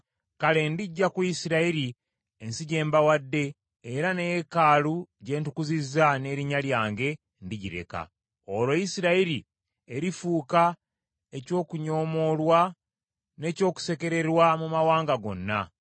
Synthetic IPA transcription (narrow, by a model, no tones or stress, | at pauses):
kale̞ndiɟːakuisiɾaiɾi | ensiɟe̞ːmbawadːe̞ː | ɾanejekaːluɟe̞ːntukuzizane̞ːɾiɲaljaːŋɡe̞ | ndiɟiɾe̞̰ka̰ | olojisiɾaiɾi | eɾifuːka | e̞co̞ːkuɲo̞ːmo̞lwa | ne̞ːco̞ːku̥se̞ke̞ɾe̞ɾwamumawaːŋɡaɡo̞̰nːa̰